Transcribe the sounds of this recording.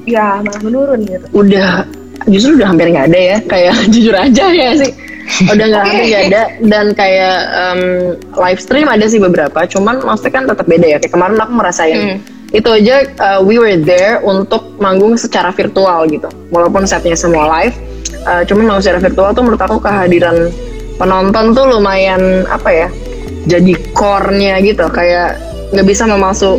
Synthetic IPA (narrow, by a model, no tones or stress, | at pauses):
jamaahmənuɾʊnɡit̪uudah | d͡ʒust̪ɾuudahɦampianŋɡaːdajakajaʔd͡ʒud͡ʒʊɾad͡ʒahjasɪh | udahŋɡaɦammpɪɡaːdadankajaʔəm | lajfst̪ɾimadas̬ɪhbəbəɾapat͡ʃumanmaust̪akant̪ət̪əp̚bedajakajakəmaɾɛnakuməɾasaɪn | it̪uad͡ʒaʔəːwiwərd̪ɛrunt̪ʊk̚maŋɡʊŋsət͡ʃaɾafirt̪ualɡit̪u | mwalawpʊnsat̪̚ɲasəmualajf | ʔət͡ʃumanmaŋɡuŋsət͡ʃaɾafirt̪ualt̪ʊməɾut̪akukəɦadiɾan | pənɔnt̪ɔnt̪ʊlumajana̰paja | d͡ʒadikɔrɲaɡit̪ukajaʔ | ŋɡaʔbisaməmasʊ